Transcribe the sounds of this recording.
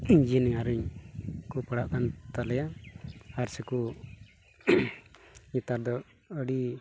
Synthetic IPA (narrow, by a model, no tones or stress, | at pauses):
d͡ʒinɛaɾəɲkupəɽaʔkant̪alɛja | aɾsɛku | ɲit̪aɾd̪ɔ | əɽi